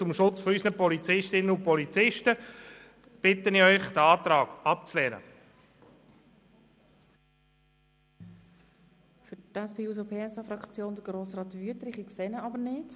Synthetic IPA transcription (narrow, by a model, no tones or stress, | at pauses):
t͡sʊmʃʊt͡sfɔysnəpɔlit͡sɪʃtɪnəʊnpɔlit͡sɪʃtə | b̥ɪtːəniœʏχd̥əɑːtɾɑːɡ̥ɑp̚t͡slɛːɾə̰ | fʏtɛspʰeːuːz̬opʰeːɛsɑfɾɑkt͡sjoːnd̪əɡ̥ɾoːsrɑːtːvyətɾɪχikseːnəɑbəɾnɪt